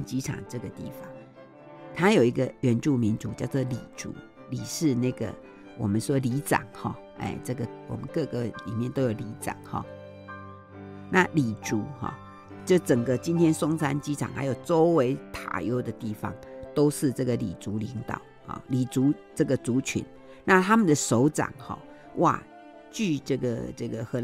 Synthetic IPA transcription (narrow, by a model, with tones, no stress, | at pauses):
nt͡ɕi˥ʈ͡ʂʰɑ̰˨˩ŋʈ͡ʂɤ˥˩ɡə˩t̪ḭ˥˩fɑ˨˦ŋ | t̪ʰa˥jo˨˩ʊi˧˥ɡə˧ɥɛ˧˥nʈ͡ʂu˥˩mi˧˥nt͡sṵ˨˦t͡ɕjɑ˥˧ʊt͡swɔ˥˩li˨˩ʈ͡ʂṵ˧˥˦ | li˨˩ʂɻ̩˥˧na˥˩ɡə̰˩ | wɔ̰˨˩mə˦nʂwɔ˥li˧˥ʈ͡ʂɑ̰˨˩˦ŋxɔ̰˥˧ | ḛ˥˩ʈ͡ʂɤ˥˩ɡə˩wɔ̰˨˩mə̰˦nkɤ˥˧ɡə˨˦lḭ˨˩mjɛ˥˨nt̪o˥ʊjo˨˩ʊli˧˥ʈ͡ʂɑ̰˨˩˦ŋxɔ̰˥˨ | na˥˨li˨˩ʈ͡ʂu˧˥xɔ̰˥˩ | t͡ɕjo˥˩ʊʈ͡ʂə˨˩ŋɡə˦t͡ɕi˦nt̪ʰjɛ˥nsʊ˥ŋsa˥nt͡ɕi˥ʈ͡ʂʰɑ̰˨˩ŋxa˧˥ɪjo˨˩ʊʈ͡ʂo˦˥ʊwe˧˥ɪt̪ʰa̰˨˩jo˦˥ʊd̪ə˨t̪i˥˩fɑ̰˨˦ŋt̪o˥ʊʂɻ̩˥˧ʈ͡ʂɤ˥˩ɡə˩lḭ˨˩t͡su˧˥li˧˦˥ŋt̪ɑ˨˩˦ʊhɔ̰˨˩li˨˩t͡su˧˥ʈ͡ʂɤ˥˩ɡə˩t͡su˧˥t͡ɕʰy̰˧˥˦n | na˥˨t̪ʰa˥mə˨nd̪ə˨˩ʂo˧˥ʊʈ͡ʂa̰˨˩ŋxɔ̰˧˩ | wʔa̰˥˩ | t͡ɕy˥˧ʈ͡ʂə˥˩ɡə˩ʈ͡ʂə˥˩ɡə˩xɤ˧˦